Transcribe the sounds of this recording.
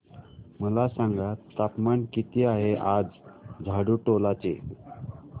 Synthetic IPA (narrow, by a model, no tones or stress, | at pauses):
məlasãŋɡat̪apmaɳkit̪iaɦeʔad͡zd͡zʱaɽuʈolat͡ɕḛ